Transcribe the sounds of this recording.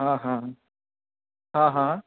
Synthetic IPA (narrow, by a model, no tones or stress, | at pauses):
ɦãɦã | ɦãɦã